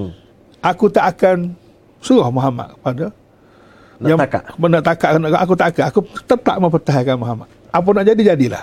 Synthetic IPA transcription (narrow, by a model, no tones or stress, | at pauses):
ʔakut̪aʔakan | səɣɔhmoɦama̰ʔkə̥pada | jaka̰ənaʔt̪akaʔkanaʔkaʔak̬ut̪aʔakanakut̪ət̪a̰ʔməmp̬ərt̪aɦajkanmoɦama̰ʔ | ap̬ɔnaʔd͡ʒadid͡ʒadila̰h